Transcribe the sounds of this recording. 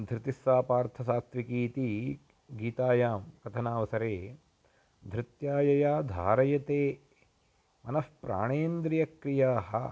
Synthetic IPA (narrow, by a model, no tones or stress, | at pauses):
d̪ʱɾɪt̪isːaːpaːɾt̪ʰɐsaːst̪ʋikiːt̪i | ɡiːt̪aːjaːmkɐt̪ʰɐnaːʋɐsɐɾeː | d̪ʱɾɪt̪jaːjɐjaːd̪ʱaːɾɐjɐt̪eː | mɐnɐspɾa̰ːɳeːnd̪ɾijɐkɾijaːɦɐ̆